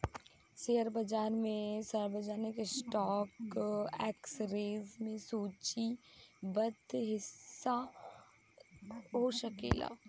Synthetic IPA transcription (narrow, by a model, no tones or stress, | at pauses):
seːəɾbɐd͡ʒaːɾmẽsɐɾbəd͡ʒaːnɪkesʈɔːkɛːksɾeːzmẽsuːt͡ʃibət̪ɦɪsːa | ɦoʃɐkḛːla̰ː